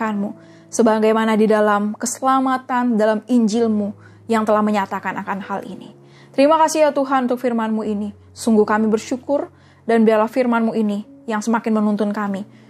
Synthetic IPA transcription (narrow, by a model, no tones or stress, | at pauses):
anmu | səbaɡajmanadidalamkəsəlamat̪andalamiɲd͡ʒɪlmu | jaŋt̪əlahməɲat̪akanʔakanhalʔḭnḭ | t̪əɾimakasiat̪uɦanunt̪ʊk̚firmanmuini | suŋɡuhkamibərʃukʊr | danbiarlahfirmanmuinijaŋsəmakɪnmənunt̪ʊnkami